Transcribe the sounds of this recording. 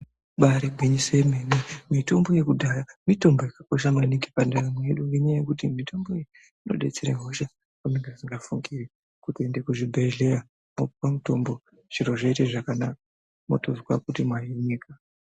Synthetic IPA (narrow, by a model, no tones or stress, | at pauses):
ɓaɾibʱiɲisemenimito̞mbo̞je̞kudʱajamito̞mbo̞jakako̞ʃ̬amanikipandaɾameɗuiɲajekutimitʰo̞mbo̞je | ino̞ɗe̞̰t͡seɾeɦoʃa | kamiŋɡasiŋɡafuŋɡiri | kutiendekuʐibʱeɮeja | mopupamuto̞mbo̞ | ʐ̥iɾo̞ʐaiteʐakanak̚a | motozɡwakutimwajiɲiːka